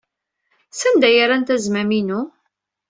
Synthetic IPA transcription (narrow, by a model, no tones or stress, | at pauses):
sænd̪æjəɾænt̪æzmæminu